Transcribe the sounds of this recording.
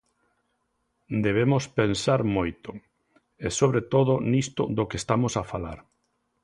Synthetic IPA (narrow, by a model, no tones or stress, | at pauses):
d̪eβ̞emospensaɾmojt̪ʊ | esoβɾet̪oðʊnist̪ʊ̰d̪okest̪amosafala̰ɾ